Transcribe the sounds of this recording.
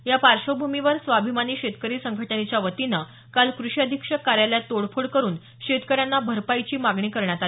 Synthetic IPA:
japaɾɕəbʱumiʋəɾsʋabʱimaniːɕet̪kəɾiːsəŋɡʱəʈənet͡ɕjaʋət̪ina | kalkɾuɕiəd̪ʱikʂəkaɾjaljat̪oɽfʰuɽkəɾuːn | ɕet̪kəɾjanːabʱəɾpajt͡ɕiːmaɡɳiːkəɾɳjat̪ale

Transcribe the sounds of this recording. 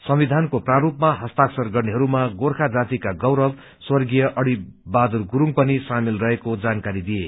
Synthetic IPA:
sʌmid̪ʱankopraɾupmaɦʌst̪aksʌrɡʌrneɦʌɾumaɡorkʰad͡zat̪ikaɡʌwɾʌb | swʌrɡijʌʔʌɽibad̪urɡuɾuŋpʌnisamilrʌɦekod͡zankaɾid̪ije

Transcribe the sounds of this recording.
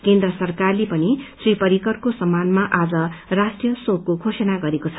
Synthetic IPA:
kend̪rʌsʌrkarlepʌnisripʌɾikʌrkosʌmːanmaʔad͡zʌrasʈrijʌsõkːokʰosʌnaɡʌɾekot͡sʰʌ̥

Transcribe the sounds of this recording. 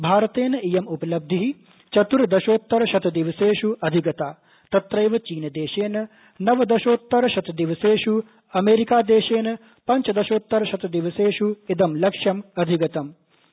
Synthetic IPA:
bʱaːɾɐt̪eːnɐijɐmupɐlɐb̚d̪ʱiɦi | t͡ʃɐt̪uɾd̪ɐʃoːt̪ːɐɾɐʃɐt̪ɐd̪iʋɐseːʃuɐd̪ʱiɡɐt̪aː | t̪ɐt̪ɾɐjʋɐt͡ʃiːnɐd̪eːʃeːnɐ | nɐʋɐd̪ɐʃoːt̪ːɐɾɐʃɐt̪ɐd̪iʋɐseːʃu | ɐmeːɾikaːd̪eːʃeːnɐ | pɐɲt͡ʃɐd̪ɐʃoːt̪ːɐɾɐʃɐt̪ɐd̪iʋɐseːʂuid̪ɐmlɐkʂjɐmɐd̪ʱiɡɐt̪ɐm

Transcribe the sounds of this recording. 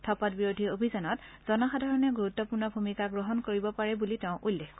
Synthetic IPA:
tʰɔpɔtbiɹodʱiobʱizɔnɔtz̥ɔnaxadʱaɹɔnɛɡuɹutːɔpʊɹnɔbʱumikaɡɹɔɦɔnkoɹibɔpaɹɛbuliteʊ̃ʔulːexk

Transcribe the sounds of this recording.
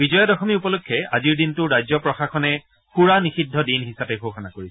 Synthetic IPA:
bizɔjɔdɔxɔmiupɔlukʰːɛaziɹdintʊɹajzɔpɹɔxaxɔnɛ | xuɹanixidʱːɔdinɦisapɛɡʱoxɔnakoɹisɛ̥

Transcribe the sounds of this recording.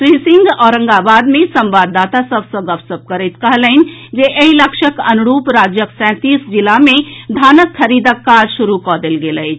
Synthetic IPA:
pɾisɪ̃ŋɡɔːɾə̃ŋɡabaːd̪mẽsə̃mbaːd̪ːaːt̪asəbsəɡəbsəb̚kəɾət̪kəɦləɪnd͡ʒeʔeɦiləkʃəkɐnʊɾuːpɾaːd͡ʒjəksɛ̃ːt̪iːsd͡ʒilamẽd̪ʱaːnəkʰːəɾiːd̪əkːaːd͡ʒʃuɾukɔːd̪elɡeləit͡ʃ

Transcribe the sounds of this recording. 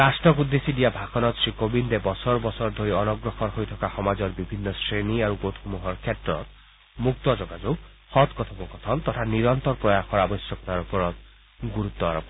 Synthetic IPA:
ɾasʈɔkud̪ːesidijabʱaxɔnɔt̪sɹikobind̪ebɔsɔɹbɔsɔɾd̪ʱoɾiɔnɔɡɾɔxɔnɦojt̪ʰɔkaxɔmad͡zɔɹbibʱinːɔsɹeniaɾuɡot̪ʰxumuɦɔɹkʰetɾɔ̰t̪̚ | muk̚t̪ɔd͡ʒɔɡad͡ʒo | xɔt̪kɔt̪ʰɔmɔkɔt̪ʰɔnt̪ɔt̪ʰaniɾɔnt̪ɔɾpɹɔjaxɔɾabɔsjɔkɔt̪aɾupɔɾɔt̪ | ɡuɾut̪ːɔa̰ɾɔpɔ

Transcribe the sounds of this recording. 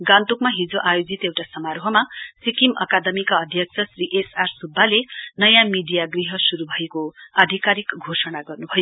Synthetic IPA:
ɡant̪ukmaɦid͡zoʔajod͡zit̪ewʈasʌmaɾoɦʌmasikimʌ̰kad̪ʌmikaʌd̪ʱjʌk̚sʰʌsriʔesarsubːalenʌjãmiɖijaɡriɦʌsuɾubʱʌekoad̪ʱikaɾikɡʱosʌnaɡʌrnubʱʌjo

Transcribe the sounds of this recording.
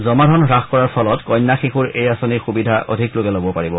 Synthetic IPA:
zɔmadʱɔnxɹaxkɔɹaɹpʰɔlɔtkɔjnːaxixuɹejasɔniɹxubidʱaʔo̰dʱiklokɛlobɔpaɹibɔ

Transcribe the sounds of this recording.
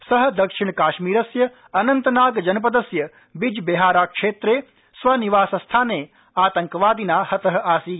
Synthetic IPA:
sɐɦɐ̆d̪ɐkʂiɳkaːʃmiːɾɐsjɐ | ɐnɐnt̪ɐnaːɡd͡ʒɐnɐp̬ɐd̪ɐsjɐ | bid͡ʒbeɦaːɾaːkʂeːt̪ɾeː | sʋaniʋaːsɐst̪ʰaːneː | aːt̪ɐŋkɐʋaːd̪inaːhɐt̪ɐɦɐ̆aːsiː

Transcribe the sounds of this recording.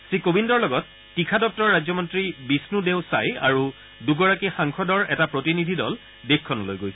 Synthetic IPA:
sɹikobindɔɹlɔɡɔtːikʰadɔp̚tɔɹːad͡ʑzɔmɔntɹibisnudeʊsa̰ja̰ɹu | duɡɔɹakixaŋkʰɔdɔɹɛtapɹotinidʱidɔ̰l | dekʰːɔnɔlojɡoj

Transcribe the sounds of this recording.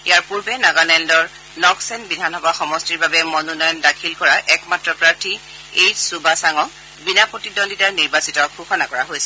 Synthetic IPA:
ijaɹpuɹbɛnaɡanɛndɔɹ | nɔksɛnbidʱanxɔbaxɔmɔstiɹbabɛmɔnunɔjɔndakʰilkɔɹaʔɛkmatɹɔpɹaɹtʰi | ejsubasaŋɔk̚ | binapɔtidɔnditaɹniɹbasitɔxʰuxɔnakɔɹa̰ɦojsɛ

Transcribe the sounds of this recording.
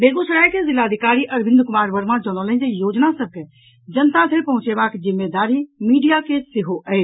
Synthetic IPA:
beɡusɾajkezilad̪ʱikaɾiʔəɾbʱĩnd̪ʱkʊmaːɾbəɾmad͡ʒonɔlə̃nd͡ʒejod͡ʒnasəb̚ke | d͡ʒənt̪at̪ʰeɾpəɦʊ̃t͡ʃebakzimːed̪aɾimiːɖijakesɪɦoʔəɪ

